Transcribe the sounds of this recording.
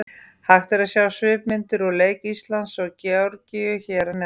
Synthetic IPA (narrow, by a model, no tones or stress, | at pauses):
haxt̪ɪɾaðsjaːwɣasʏːpmɪnt̪ɪɾɔɣleːjkist̪lant̪sɔɣcawɾcɪjʏçɛːɾanɛ